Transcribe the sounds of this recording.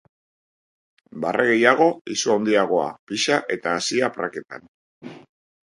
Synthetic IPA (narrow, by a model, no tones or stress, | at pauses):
barʔeɣ̞e̞jaɣ̞o̞isuond̪iaɣ̞o̞a̰piʃaʔe̞t̪aːsiapra̰ke̞t̪a̰n